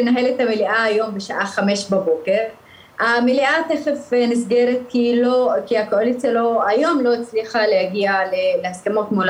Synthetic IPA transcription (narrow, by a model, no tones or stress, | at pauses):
enaɦe̞let̪hameliʔaːjo̞mbeʃaʔaχame̞ʃbabo̞ke̞ʁ | ameliʔat̪eχefnisɡe̞ʁet̪̚kilo̞kiakoolitt͡ʃelo̞ajo̞mlo̞it͡sliχalehaɡialeleaskamo̞tmol